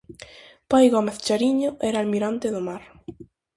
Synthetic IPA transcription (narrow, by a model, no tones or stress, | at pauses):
pajɣɔmeθt͡ʃaɾiɲʊɛɾaːlmiɾant̪eðʊmaɾ